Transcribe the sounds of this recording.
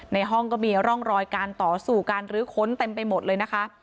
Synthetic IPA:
na˧jɦɔ˥˩ŋkɔː˥˩miː˧ɾɔ˥˩ŋɾɔː˧jkaː˧nt̪ɔː˨˩˦suː˨˩ka˧nɾɯː˨˦kʰo˦˥nt̪e˧mpa˧jmo˨˩t̪̚lɤː˧jna˦˥kʰa˦˥ʔ

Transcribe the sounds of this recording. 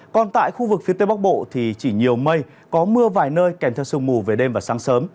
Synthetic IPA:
kɔ˨˩nt̪a̰ː˧˨jxu˧vɨ˨˩k̚fi˨˦ət̪e˨˦ɓa˦˥k̚ɓo̰˧˨t̪ʰi˨˩t͡ɕi˧˩ɲi˨˩əwmə˧j | kɔ˨˦mɨ˧əvaː˨˩jnəː˧jkɛ˧˩mt̪ʰwsɨ˧ŋ͡mmu˨˩ve˨˩ɗe˧mvaː˨˩saː˨˦ŋsəː˨˦m

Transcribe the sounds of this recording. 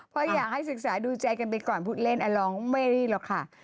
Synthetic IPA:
pʰɔ˧˥jaː˨˩k̚ha˥˩jsɯ˨˩k̚saː˩˦duː˧t͡ɕa˧jka˧np̬a˧jkɔː˨˩npʰuː˦˥˩t̪̚le˥˩nʔaː˧lɔː˧ŋma˥˩˨niː˥˩lɔ˨˩kʰa˥˩

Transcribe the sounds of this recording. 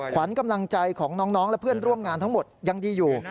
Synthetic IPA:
kʰwa˩˦nka˧mla˧ŋt͡ɕa˧jkʰɔː˩˦ŋnɔː˦˥ŋnɔː˦˥ŋlɛ˦˥pʰɯ˥˩ənɾu˥˩əmŋaː˧nt̪ʰa˦˥ŋmo˨˩t̪̚ja˧ŋdiː˧juː˨˩

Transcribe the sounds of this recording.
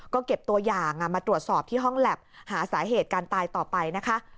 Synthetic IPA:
kɔː˥˩ke˨˩p̚t̪u˧ɐjaː˨˩ŋʔa˨˩maː˧ɾu˨˩ət̪̚sɔː˨˩p̚t̪ʰiː˥˩ɦɔ˥˩ŋlɛ˨˩p̚haː˩˦saː˩˦ɦeː˨˩t̪̚kaː˧nt̪aː˧jt̪ɔː˨˩pa˧jna˦˥kʰa˦˥ʔ

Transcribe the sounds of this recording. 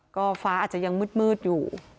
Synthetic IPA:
kɔː˥˩faː˦˥aː˨˩t͡ɕa˨˧˩ja˧ŋmɯ˦˥˩t̪̚mɯː˥˩t̪̚juː˨˩

